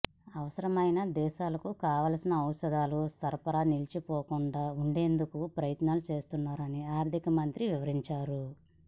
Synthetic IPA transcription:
ɐʋɐsɐɾɐmɐjnɐd̪ɛːʃaːlɐkukaːʋaːlsinɐːwsɐd̪aːlusɐɾpɐɾanilt͡ʃipɔːkuɳɖaːuɳɖe̞ːnd̪ukupɾɐjɐt̪naːlut͡ʃe̞ːst̪unːaːɾɐniaːɾd̪ʱikɐmɐnt̪ɾiʋiʋɐɾiɲt͡ʃaːɾu

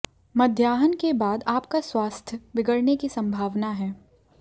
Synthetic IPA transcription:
mɐd̪ʱjaːɦənkebaːd̪aːpkaswaːst̪ʰjəbɪɡəɽnekisɐ̃mbʱaːʋnaɦɛː

